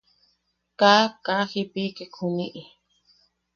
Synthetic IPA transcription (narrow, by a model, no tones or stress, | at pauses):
kakaxipikekʰuniʔi